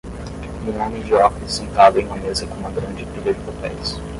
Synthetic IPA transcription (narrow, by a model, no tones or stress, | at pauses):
mũnõmĩd͡ʒiɔkisẽnt̪ad̪ɐẽj̃mɐ̃nezɐkõũmɐɡɾɐ̃nd͡ʒɪpilɐd͡ʒɪpapɛjs